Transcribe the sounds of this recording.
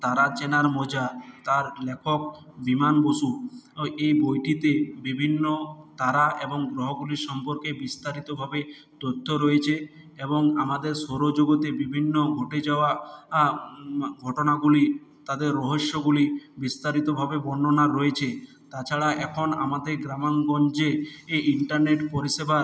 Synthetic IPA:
t̪aɾat͡ɕenaɾmod͡ʑat̪aɾlekʰok̚ | bimanboʃu | ejbojʈit̪ebibʱinːot̪aɾaʔeboŋɡɾoɦoɡuliɾʃɔmpoɾkebist̪aɾit̪obʱabe | t̪ot̪ʰːoɾɔjet͡ɕʰe | eboŋamad̪eɾsoɾod͡ʑoɡot̪ebibʱinːoɡʱoʈed͡ʑaoa | ɡʱɔʈonaɡulit̪ad̪eɾːɔɦoʃːoɡulibist̪aɾit̪obʱabebɔnːonaɾːɔet͡ɕʰe | t̪at͡ɕʰaɽaʔɛkʰona̰mad̪eɾɡɾamonɡɔnd͡ʑeeiɳʈaɾneʈpoɾiʃeba

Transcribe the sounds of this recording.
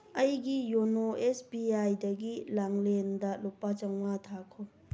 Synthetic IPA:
ɐjɡijonoesbiajdɐɡilaŋlendɐlopːat͡ʃɐŋmatʰakʰo

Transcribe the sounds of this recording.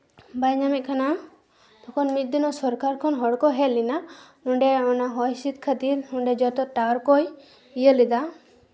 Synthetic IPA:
bajɲamɛʔ̚kʰana | d̪ɔkʰɔnmit̪̚d̪inɔsɔɾkaɾkʰɔnɦɔɽkɔɦɛlinahuɳɖɛɔnaɦɔjsit̪kʰət̪iɾhuɳɖɛd͡ʒɔt̪ɔʈaɾkɔj | ijəlid̪a

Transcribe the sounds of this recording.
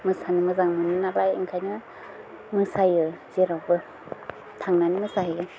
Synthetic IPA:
mɯsanimɯzaŋmɯnɯnalajḭŋkʰajnɯ | mɯsajɯz̥eɾawbɯ | tʰaŋnanimɯsajɯ

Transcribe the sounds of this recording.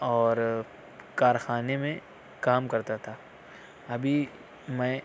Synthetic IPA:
ɔːɾ | kaːɾxaːnemẽ | kaːmkɐɾt̪at̪ʰaː | ɐbʱi | mɛ̃ː

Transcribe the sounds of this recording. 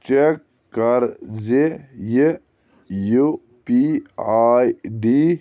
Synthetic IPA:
t͡ʃekː | ɐɾzeje | ju | piaːjɖi

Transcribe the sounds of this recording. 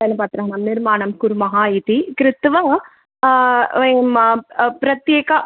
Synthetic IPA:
ɐnːɨpaːɾt̪ɪɾãːɦnɐmnɪɾmaːɳɐmkuɾumɐɦaːit̪ikɾɪt̪ʋɐ | empɾɐt̪jeːkɐ

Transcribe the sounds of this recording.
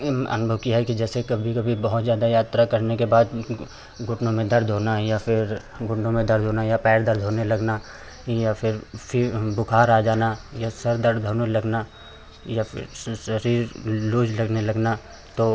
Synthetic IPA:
mɐ̰nbʱəʋkiaɦɛkid͡ʒɛːsekɐbʱikɐbʱibɐɦʊt̪zjaːd̪ajaːt̪ɾakɐɾnekebaːd̪ | ɡʊʈnõmẽd̪ɐɾd̪ʱoːnajapʰɪɾ | ɡʊɳɖõmẽd̪ɐɾd̪ʱoːnajapɛːɾd̪ɐɾd̪ʱoːnelɐɡna | japʰɪɾpʰbʊkʰaːɾaːd͡ʒaːnajasɐɾd̪ɐɾd̪ʱoːnelɐɡna | japɪ̰ɾsɐɾiːɾluːd͡ʒlɐɡnelɐɡna | t̪oː

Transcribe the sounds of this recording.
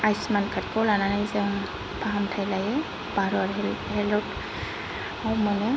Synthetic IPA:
ajsmankʰaɾkɔlananajze | baɦamtʰajlaje | baɾɔɾɛhɛlɔt | awmane

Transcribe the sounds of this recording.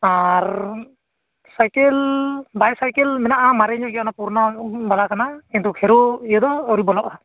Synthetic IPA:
aɾ | sajkɛlbajsajkɛlmɛnaʔamaɾɛɲɔɡɛanapuɾnabalakʰanakint̪ukʰɛɾuijəd̪ɔːɾibɔlɔʔa

